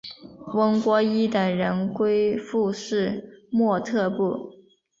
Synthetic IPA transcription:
wə˥ŋkwɔ˥i˥t̪ə˨˩ŋɻə˧˥nkwe˥ɪfu˥˧ʂɻ̩˥˩mwɔ˥˧t̪ʰɤ˥˧pu˥˩

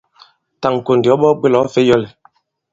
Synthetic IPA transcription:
ta˨ŋ˨ko˨ndɔ˨˦ɓɔ˦ɡ͡be˦lɔ˨˦fe˦jɔ˦˨le˨

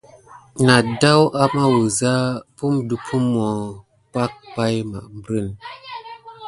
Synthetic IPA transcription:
na˨da˦wʔa˦ma˦wu˨za˦pu˦mdu˨pʰu˦mɔ˨ | pa˦k̚pa˦jma̰˨ʔm˦bɾə˦˨n

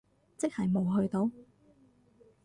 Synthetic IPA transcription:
t͡sɪ˥k̚hɐ˨jmo˨wɦɵ˧ɥt̪o˨˧˥w

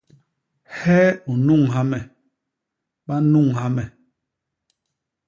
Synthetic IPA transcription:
hɛː˦u˨nu˦˨ŋɦa˦mɛ˨ | ɓa˦nu˦˨ŋha˦mɛ˨

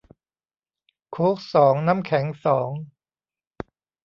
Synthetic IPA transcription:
kʰoː˦˥k̚sɔː˩˦ŋna˦˥mkʰɛ˩˦ŋsɔː˩˦ŋ

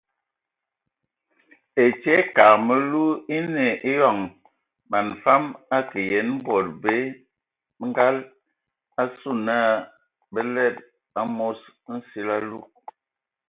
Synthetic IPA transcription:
e˨t͡ʃe˦ka˨kmə˦lu˦i˦ne˨ʔi˦ja˨ŋ | ma˨nfa˦ma˦ki˨je˨˦nm̩˦bɔ˨t̚be˦ | ŋ̩˦ɡa˦l | a˦su˦˨na˦˨ | bə˦lɛ˦˨t̚ | a˦mo˦s | n̩˦si˦la˦lu˦˨k̚

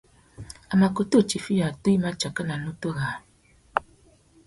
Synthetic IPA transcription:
a˨ma˨ko˨to˦˨t͡ʃi˨fi˦ja˨to˦i˦ma˦t͡ʃa˨kə˦na˨nu˦to˦˨ɣa˨n˨

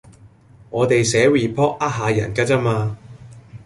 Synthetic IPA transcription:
ŋɔː˨˧t̪e˨jsɛː˨˥wiː˨pʰɔː˥k̚aː˥t̚ɦaː˨˧jɐ˨˩nkaː˥t͡sa˥maː˧

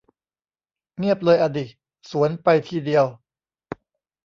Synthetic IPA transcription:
ŋi˥˩əp̚lɤː˧jʔa˧diː˨˩t̪̚ | su˩˦ənpa˧jt̪ʰiː˥˩di˧əw

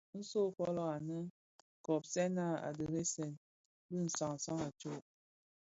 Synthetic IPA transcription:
n̩˦so˦fɔ˦lɔ˦a˨nə˦ | kɔ˨p̚sɛ˦na˦˨a̰˨də˨ɾe˦sɛ˦˨n | bi˦˨n̩˨sɔ˨ŋ˨sɔ˦ŋa˨t͡ʃo˦˨

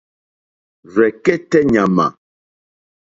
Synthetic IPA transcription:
ɾɛ˨kɛ˦tɛ˦ɲa˨ma̰˨

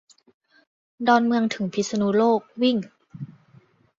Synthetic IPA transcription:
dɔː˧nmɯ˧əŋt̪ʰɯ˩˦pʰi˦t̪̚sa˧nu˦˥loː˥˩k̚wi˥˩ŋ

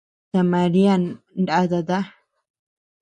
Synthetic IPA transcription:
ta˨ma˨ɾi˦a˦nnda˦d̪a˨d̪a˦

